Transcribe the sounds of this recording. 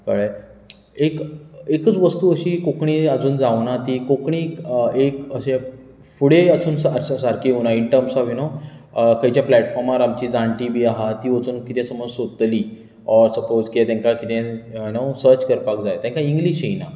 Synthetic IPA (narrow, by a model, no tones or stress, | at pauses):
kəɭə | ekekət͡sʋəst̪uːəɕiːkokɳiːəd͡zuːnd͡zaʋnat̪iːkokɳiːekəɕẽ | fuɽeəsuːnsəssaɾkiɦunaiɳʈəɾmsɔʋjuno | kʰəjt͡ɕjaplæʈfɔɾmaɾamt͡ɕiːd͡zaɳʈiːbʱiaɦat̪iːʋət͡suːnkit̪ẽsəməd͡zsod̪ət̪liː | ɔɾsəpod͡zkiet̪ãŋkakit̪ʰẽjunosəɾt͡ɕkəɾpakd͡zajet̪ãŋkaiŋɡliːɕijna̰